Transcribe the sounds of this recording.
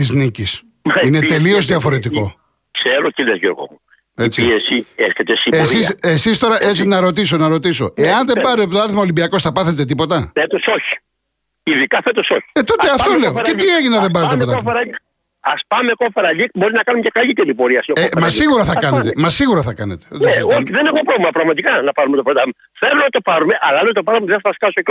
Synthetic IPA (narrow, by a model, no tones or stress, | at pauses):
t̪iznicis | minet̪e̞lio̞zðiɐfo̞ɾet̪iko̞ | kseɾociɾɐzʝo̰ɾɣo̰mu | et͡siesieɾçet̪esiesisesist̪o̞ɾɐʔet͡sinɐɾo̞t̪is̬o̞nɐɾo̞t̪iso̞̰e̞ɐnðebɐɾpt̪oɐɾθmɐolimbiɐko̞sθɐpɐθet̪e̞t̪̬ipo̞t̪ɐet̪osoçi̥ | iðikɐfet̪osoçi̥et̪ot̪eɐft̪ole̞ocet̪ieʝinɐðebɐɾett̪ipot̪ɐfeɾɐʎik | ɐspɐmekofeɾɐʎik̚bo̞ɾinɐkɐnumcekɐʎit̪eɾipo̞ɾiɐsioemɐsiɣuɾɐθɐkɐnet̪emɐsiɣuɾɐθɐkɐnet̪eneiðenexopɾovlemɐpɾɐɣmɐt̪ikɐnɐpɐɾumet̪opɾot̪ɐm | feɾunɐt̪o̞pɐɾume̞ʔɐlɐleɐt̪opɐɾumeðeθɐskɐsu